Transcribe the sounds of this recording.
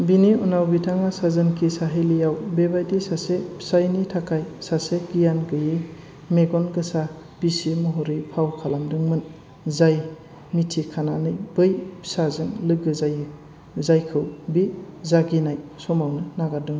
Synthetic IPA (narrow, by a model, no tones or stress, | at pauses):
biniunawbitʰaŋasazɯnkʰisaɦejlijawbebajdisasepsajnitʰakajsaseɡijanɡɯji | meɡɔnɡɯsa | b̥isimɔɦɔɾipʰawkʰalamdɯŋmɯn | zaj | mitʰikʰananɯjbɯjpsazɯŋlɯɡɯzajɯ | zajkʰɯwbizaɡinajsɔmawnɯnaɡadɯŋ